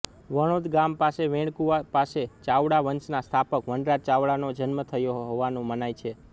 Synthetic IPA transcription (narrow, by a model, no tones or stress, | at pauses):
ʋəɽ̃od̪ɡampaseʋẽɽkuʋapaset͡ʃaʋɽaʋənt͡ʃnast̪ʰapəkʋəɳɖɾat͡ʃaʋɽanod͡ʒənmət̪ʰəjoɦoʋanũmənajt͡ʃʰe